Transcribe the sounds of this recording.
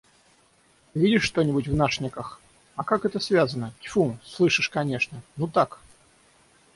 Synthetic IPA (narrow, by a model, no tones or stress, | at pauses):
vʲidʲɪʂʂt̪onʲɪbʊtʲvnaʂnʲɪkəx | ɐkakɛt̪əsvʲazənət̪ʲfuslˠɨʂɨʂkɐnʲe̞ʂnənut̪ak